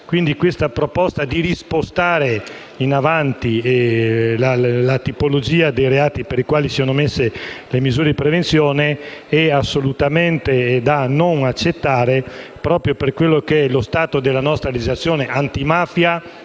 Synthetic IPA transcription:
kwind̪ikwest̪apɾopɔst̪ad̪iɾispost̪aːɾe | inavant̪i | lalat̪ipolod͡ʒiːad̪ejɾeaːt̪ipeɾikwaːlisisonomesːelemizuːɾed̪ipɾevensjoːneɛasːolut̪ament̪ed̪anoŋat͡ʃːet̪ːaːɾepɾɔːpɾjoperkwelːokeɛlost̪aːt̪od̪elːanɔst̪ɾalid͡ʒizlat̪sːjoːneʔant̪imaːfja

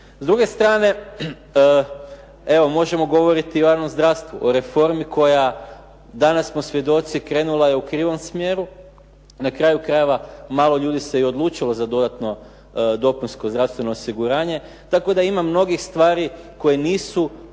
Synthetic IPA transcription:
zd̪ɾuɡe̞st̪ɾaːne̞ | e̞ʋo̞mo̞ʒe̞mo̞ɡo̞ʋo̞ɾit̪iojaːʋno̞mzd̪ɾast̪ʋuʔoɾe̞fo̞ɾmiko̞ja | d̪anasmo̞sʋje̞d̪o̞t̪sikɾe̞ːnulˠaje̞ukɾiːʋo̞msmje̞ːɾu | nakɾaːjukɾaje̞ʋamaːlˠo̞ʎuːd̪iseiod̪lˠuːt͡ʃilozad̪o̞d̪at̪no̞ | d̪o̞pinskozd̪ɾaʋst̪ʋe̞no̞ːsiɡuɾaːɲe̞ | t̪ako̞d̪aimamno̞ɡixst̪ʋaːɾiko̞jeniːsu

